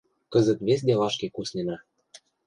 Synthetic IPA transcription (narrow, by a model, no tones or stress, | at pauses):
kɤ̆zə̆t̪βes̬ʲd̪elɑʃkekusnenɑ